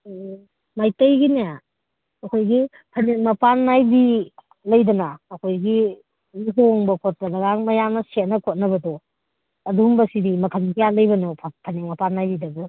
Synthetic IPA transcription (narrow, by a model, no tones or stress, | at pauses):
majtɐjɡinea | ɐkʰojɡi | pʰɐnet̚mɐpanːajbi | lɐjdɐnaːkʰojɡi | miɦoŋbɐkʰot̚ːɐlɐɡaŋmɐjaŋnɐset̚nɐkʰot̚nɐbɐdɔ | ɐdumbɐsidimɐkʰɐnkʰijalɐjbɐnopʰpʰɐnemɐpanːajbidɐbu